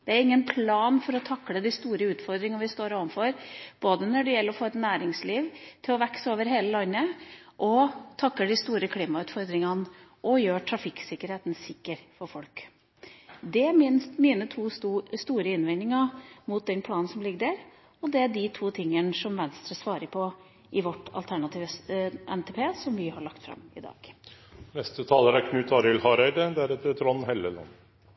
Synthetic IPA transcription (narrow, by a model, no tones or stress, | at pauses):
d̪̥ɛæɾɪŋːənpʰlɑːnfɔɾɔt̪ʰɑkːləd̪ɪst̪uːɾəʉːt̪fɔɾd̪ɾɪŋənʋɪst̪oːɾoːʋmfɔɾb̥oːd̪ənɔɖɛjɛlːəɾɔfoːɛt̪næːɾɪŋsliːʋt̪ʰɪlɔʋɛksoːʋəɾɦeːləlɑnːəʔɔt̪ʰɑkːəɖɪst̪uːɾəkʰliːmɑʉːt̪fɔɾd̪ɾɪŋənʔɔjøːʈʰɾɑfɪkːsɪkːəɾheːt̪n̩sɪkːəɾfɔɾfɔlk | d̪ɛmiːnət̪ʰuːst̪uːɾəɪnʋɪnːɪŋɑmʊt̪̚d̪ɛnpʰlɑːnnsɔmlɪɡəd̪æɾ | ɔd̪ɛæɖɪt̪ʰuːt̪ʰɪŋːənəʂɔmʋɛnst̪ɾəsʋɑːɾəɾpʰɔ | ʔɪʋɔʈːɑ̰lt̪ʰæɳɑt̪ʰiːʋəɛnt̪ʰɛpʰeːsɔmʋɪhɑɭɑkt̪fɾɑ̰mɪ̰d̪ɑ̰ːɡ̥ | nɛst̪ət̪ʰɑːləɾæɾkʰnʉːt̪ɑːɾəlhɑɾæɪd̪əd̪æɾɛt̪ːəɾt̪ʰɾɔnːheːləlɑ̰n